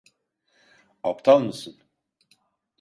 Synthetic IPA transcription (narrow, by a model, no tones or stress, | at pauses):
apt̪ʰalˠmɯsɯn